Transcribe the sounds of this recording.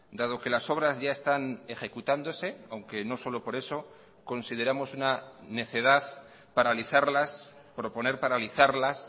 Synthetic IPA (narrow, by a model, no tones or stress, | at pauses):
d̪að̞o̞ke̞laso̞β̞ɾazʝae̞st̪ane̞xe̞kut̪and̪o̞se̞awŋke̞no̞so̞lo̞po̞ɾe̞so̞ | ko̞nsið̞e̞ɾamo̞sunane̞θe̞ð̞að | paɾaliθaɾlas | pɾo̞po̞ne̞ɾpaɾaliθaɾlas